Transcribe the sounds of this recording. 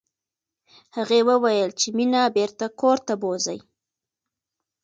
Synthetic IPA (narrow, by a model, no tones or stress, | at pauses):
haɣewəwajəlt͡ʃeminabeɾt̪akoɾt̪aboza̰j